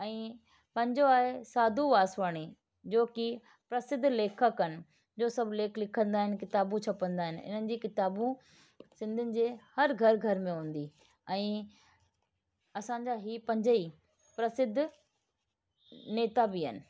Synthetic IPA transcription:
ɛ̃ː | pɐ̃ɲd͡ʑoaːɦesaːd̪ʱuʋaːsʋaːɽ̃i | d͡ʑoːkɪ | pɾɐsɪd̪ʱleːkʰəkənɪ̆ | d͡ʑoːsɐbʱleːkʰlɪkʰə̃nd̪aːɦɪnɪ̆kɪt̪aːbũt͡ɕʰɐpə̃nd̪aːɦɪnɪ̆ɪ̰n̤ənɪ̆d͡ʑiːkɪt̪aːbũ | sɪ̃nd̪ʱɪnɪ̆d͡ʑeːhɐɾɡʱɐɾɡʱɐɾmẽɦũːn̆d̪iː | ɛ̃ː | ɐsãːɲd͡ʑaɦiːpɐ̃ɲd͡ʑəiː | pɾɐsɪd̪ʱ | neːt̪abiɦə̰nɪ̆

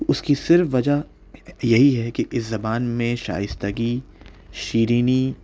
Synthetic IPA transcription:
ʊskisɪɾfʋɐd͡ʒa | jɐɦiɦɛkeʔɪszɐbaːnmẽʃa̰ːjɪst̪əɡi | ʃiːɾiːni

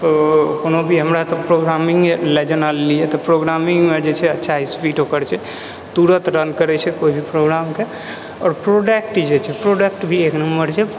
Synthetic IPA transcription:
konobʱiɦəmɾasəbpɾoɡɾamiŋɡlɛd͡ʒənalliɛt̪ɔpɾoɡɾamĩŋɡmed͡ʒet͡ʃʰɛətːʃʰaɦispiʈokəɾt͡ʃʰɛ | d̪̥uɾət̪ɾənkəɾɛt͡ʃʰɛkoibʱipɾoɡɾamke | ɔːɾpɾoɖek̚ʈd͡ʒet͡ʃʰɛpɾoɖek̚ʈbʱieknəmbəɾt͡ʃʰɛ

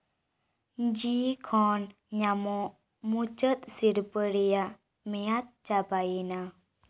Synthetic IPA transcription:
d͡ʒikʰɔn | ɲamɔʔ | mut͡ʃət̪̚siɾpəɾija | meat̪̚t͡ʃapajina

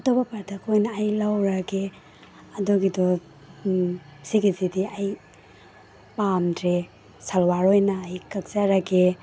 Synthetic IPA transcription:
ɐtobɐpaɾdakʰojnɐːjlawɾaɡe | ɐdɔɡidɔ | siɡizidiaj | pamdɾe | salwaɾojnɐːjkɐk̚zaɾaɡe

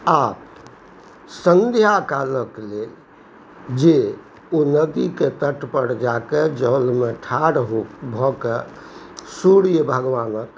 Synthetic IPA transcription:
aːp̚ | sənd̪ʱjakaːləklel | d͡ʒe | unəd̪iket̪əʈʰpəɽd͡ʒaked͡ʒəlmeʈʰaɽɦobʱɔke | suɽijəbʱəɡʋanək

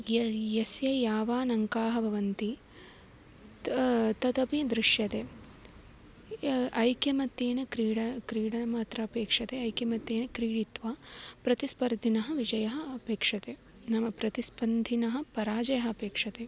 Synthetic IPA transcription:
jjɐsjɐjaːʋaːnɐŋkaːɦɐbʱɐʋɐnt̪i | t̪ɐt̪ɐpid̪ɾɪʃjɐt̪eː | ɐjkjɐmɐt̪ːeːnɐkɾiːɽɐkɾiːɽɐmaːt̪ɾɐɐpeːkʂɐt̪eːɐjkjɐmɐt̪ːeːnɐkɾiːɽit̪ʋapɾɐt̪ispɐɾd̪ʱinɐɦɐ̆ʋid͡ʒɐjɐɦɐ̆ɐpeːkʂɐt̪eː | nɐmɐpɾɐt̪ispɐnd̪ʱinɐɦɐ̆pɐɾaːd͡ʒɐjɐɦɐɐpeːkʂɐt̪eː

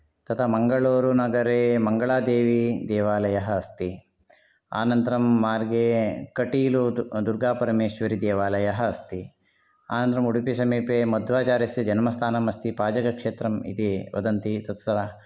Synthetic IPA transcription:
t̪ɐt̪ʰɐmɐŋɡɐɭoːɾunɐɡɐɾeːmɐŋɡɐɭaːd̪eːʋid̪eːʋaːlɐjɐɦɐːst̪i | a̰ːnɐnt̪ɐɾɐmːaːɾɡekɐʈiːlud̪uɾɡaːpɐɾɐmeːʃʋɐɾid̪eːʋaːlɐjɐɦɐɐst̪i | a̰ːnɐ̃nt̪ɐɾɐmuɽipisɐmiːpeːmɐd̪ʱʋaːt͡ʃaːɾɐst̪id͡ʒɐnmɐst̪ʰaːnɐmɐst̪ipaːd͡ʒɐɡɐkʂeːt̪ɾɐmḭt̪iʋɐ̰d̪ɐnt̪it̪ɐt̪ʰɐɐ

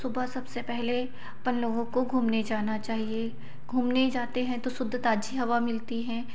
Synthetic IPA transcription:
sʊbʱasɐbsepɛɦle | ɐpənloːɡõkoɡʱuːmned͡ʒaːnat͡ʃaːɦie | ɡʱuːmned͡ʒaːt̪eɦɛ̃t̪osʊd̪ʱːt̪aːd͡ʒiɦɐʋamɪlt̪iɦɛ̃ː

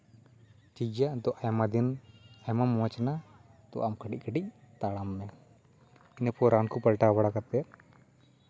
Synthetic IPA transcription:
t͡ʃid͡ʒaʔd̪ɔʔajmad̪inajmamɔat͡ʃnad̪ɔ̰ʔamkʰəɖḭʔ̚kʰəɖiʔ | t̪aɽamːɛ | inəpɔɾankupəlʈabaɽakaɾp̪ɛ

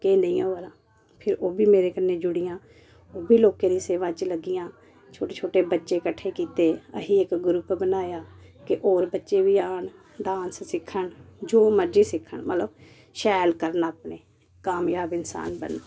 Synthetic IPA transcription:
kẽːnd̪eiːã̰ːɾãː | pʰɪɾoːbʱiːmeːɾeːkənːeːd͡ʒʊɽɪjãː | oːbʱiːloːkeːd̪ĩːseːʋãːt͡ʃləɡːɪjãː | t͡ʃʰoːʈeːt͡ʃʰoːʈeːbətːʃeːkəʈʰːeːkiːt̪eːəɦiːɪkɡɾuːpbənaːjaːkɪʔoːɾbətːʃeːbiːaːɳ | ɖãːnssɪkʰːəɳd͡ʒoːməd͡ʒiːsɪkʰːəɳmət̪ləb | ʃɛːlkəɾnaːpneː | kaːmjaːbɪnsa̰ːnbə̰nː

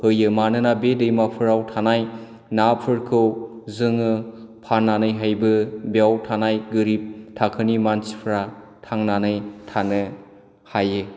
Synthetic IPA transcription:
pʰɯjɯmanɯnabedɯjmapʰɯɾawtʰanaj | napʰɯɾkʰɯwzɯŋɯ | pʰanːanɯjɦajbɯbeawtʰanajɡɯɾip̚tʰakʰɯnimansi̥pʰɾa | tʰaŋnanɯjtʰanɯ | hajɯ

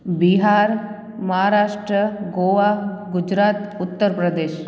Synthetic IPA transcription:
biɦaːɾ | məɦaɾaːʃʈɾəɡoːʋaɡʊd͡ʒɾaːt̪ʊt̪ːəɾpɾəd̪eːʃ

